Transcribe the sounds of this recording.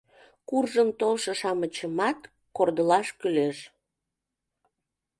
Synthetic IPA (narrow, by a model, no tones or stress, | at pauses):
kurʒəmt̪olʃɤʃɑmət͡ɕəmɑt̪ | kord̪əlɑʃkyleʃ